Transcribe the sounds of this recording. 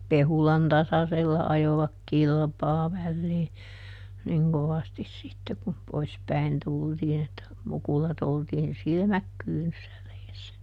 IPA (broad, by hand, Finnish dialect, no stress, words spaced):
pehulɑn tɑsɑselːɑ ɑjoʋɑk kilpɑː ʋælːiː niŋ koʋɑstis sitːe kum pois pæin tultiːn etːæ mukulɑt oltiːn silmæk kyːnysːæ reːsːæ